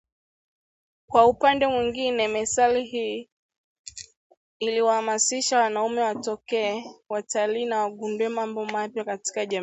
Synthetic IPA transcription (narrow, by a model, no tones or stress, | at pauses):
kwaupandɛmwiŋɡinɛmɛsalihiː | iliwahamasiʃawanaumɛwatɔkɛːwataliːnawaɠunduwɛmambɔmapjakati̥kaʄa